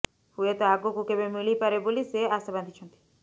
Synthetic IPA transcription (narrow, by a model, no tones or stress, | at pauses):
huet̪ɔaɡokukebemilipaɾeboliseasaband̪ʱit͡ʃʰɔnt̪i̥